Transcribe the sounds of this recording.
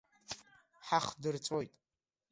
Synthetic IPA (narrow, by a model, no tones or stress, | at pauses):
ħaχdɨrt͡sʼo̞jtʼ